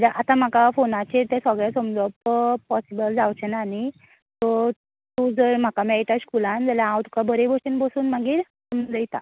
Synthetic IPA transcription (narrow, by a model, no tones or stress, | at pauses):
d͡ʑaʔat̪ãm̤akafonat͡ɕet̪ẽsɔɡɭjasəmd͡zɔppɔsibəld͡zawt͡ɕʰenani | t̪ɔ | t̪ud͡zəɾm̤akamɛiʈaskulãnd͡zalããwt̪u̥kabʱəɾebɔsinbəsuːnm̤aɡiːɾsəmd͡zəjt̪a̰